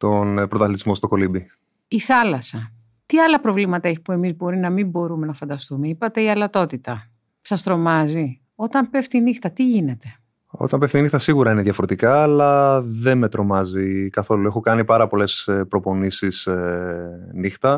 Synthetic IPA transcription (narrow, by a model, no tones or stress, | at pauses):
t̪o̞npɾot̪ɐθlit̪izmo̞st̪o̞ko̞libi | iθɐlɐsɐ | t̪iɐlɐpɾo̞vlimɐt̪ɐe̞çi̥pue̞mizbo̞ɾinɐmimbo̞ɾume̞nɐfɐnd̪ɐst̪umeipɐt̪e̞iɐlɐt̪o̞t̪it̪ɐ | sɐst̪ɾo̞mɐzi | o̞t̪ɐmpe̞ft̪inixt̪ɐt̪iʝine̞t̪e̞ | o̰t̪ɐmpe̞ft̪inixt̪ɐsiɣuɾɐineðjɐfoɾe̞t̪ikɐːlɐðe̞nme̞t̪ɾo̞mɐzikɐθo̞lue̞xokɐnipɐɾɐpo̞le̞spɾo̞po̞nisis | nixt̪ɐ